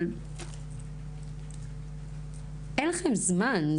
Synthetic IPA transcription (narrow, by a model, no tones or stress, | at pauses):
l | ʔenlaχemzman